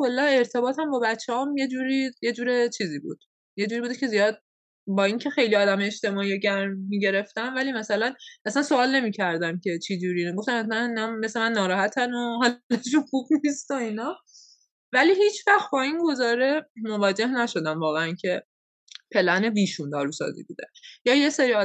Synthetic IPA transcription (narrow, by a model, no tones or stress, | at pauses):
kʰolːæne̞ɾt̪ʰe̞bɒːt̪ʰæmbɒːbæt͡ʃʰːeɒːmje̞d͡ʒuːɾiːje̞d͡ʒuːɾet͡ʃʰiːziːbṵːd̪̥ | je̞d͡ʒuːɾibuːd̪ecʰe̞zijɒːd̪̚ | bɒːiŋcʰe̞xe̞jliɒːd̪æmeet͡ʃt̪e̞mɒːieɟæɾmːiːɟe̞ɾe̞ft̪ænvæliːmæsælænʔæsænsoɒːlne̞miːcʰæɾd̪æmcʰe̞t͡ʃʰid͡ʒuɾiːneɡo̞ft̪æmæsænæme̞sle̞mænːɒːɾɒːhæt̪ʰænoɦɒlleʃ̬oxuɡnist̪oinɒː | væliːhiːt͡ʃʰvæχt̪̚bɒːinɡo̞zɒːɾe̞mo̞vɒːd͡ʒe̞hnæʃo̞d̪æmvɒːɣeæncʰe̞ | pʰe̞læne̞viːʃund̪ɒːɾusɒ̰zḭːbṵd̪ḛjɒːje̞seɾiːɒː